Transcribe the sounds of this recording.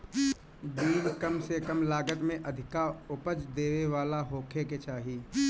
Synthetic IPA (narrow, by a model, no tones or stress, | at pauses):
biːlkəmsekəmlaːɡət̪mẽʔɐd̪ʱɪkaʊpəd͡ʒd̪eːʋeʋaːlaɦoːkʰeket͡ʃaːɦiː